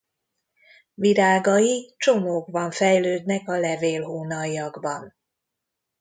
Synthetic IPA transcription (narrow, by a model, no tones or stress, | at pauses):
viɾaːɡɒjit͡ʃo̞moːɡbɒɱfɛjløːd̪nɛkɒlɛveːlɦuːnɒiɒɡbɒn